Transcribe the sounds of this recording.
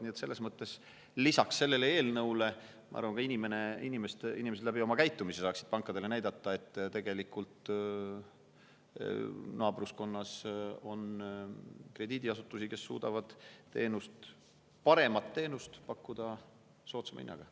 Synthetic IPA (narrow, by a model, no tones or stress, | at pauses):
niːet̪se̞lːe̞smɤt̪ˑːe̞s | lisɑksːe̞lːe̞leeːlnɤwle̞ | mʔɑ̰ɑ̰ɾvɑnkɑinime̞neinimest̪ḭnimeselæbio̞mɑkæjt̪ːˑumisesɑːksid̪̥̚pɑŋkːˑɑd̪ele̞næjd̪ɑt̪ːɑe̞t̪ːˑt̪e̞ɡ̥e̞likːult̪ | nɑːbrusko̞nːɑso̞n | kre̞d̪̥id̪iɑsut̪ːˑusike̞sːṵːd̪̥ɑvɑd̪̥t̪e̞̰ːnust̪ | pɑɾe̞mɑt̪ːe̞ːnust̪pɑkːud̪̥ɑ | so̞ːt̪semɑ̰ḭnːɑ̰ɡ̥ɑ̰